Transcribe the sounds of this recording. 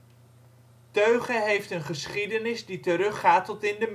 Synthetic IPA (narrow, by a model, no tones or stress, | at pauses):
tøɥχəɦejftənχəsχidənɪzditəɾɵχaːtɔtɪndəm